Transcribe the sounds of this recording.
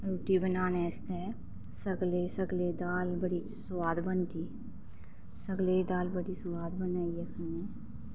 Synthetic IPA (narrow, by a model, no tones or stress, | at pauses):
ɾoːʈibənaːneːst̪ɛ | səɡlesəɡled̪aːlbəɽi | sʋaːd̪bənt̪iː | səɡled̪aːlbəɽiswaːd̪bənaːiekʰɐneː